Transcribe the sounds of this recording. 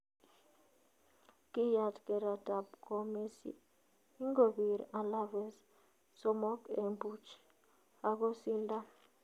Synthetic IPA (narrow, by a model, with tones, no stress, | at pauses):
ki˦ja˨tkɛ˨ɾa˨da˨bkɔ˨me˦sḭ˨ | i˦ŋɡo˨bi˨ɾa˨la˦vɛ˨s | sɔ˦mɔ˦kɛ˨mbu˦t͡ʃ | a˦˨ko˦si˦nda˦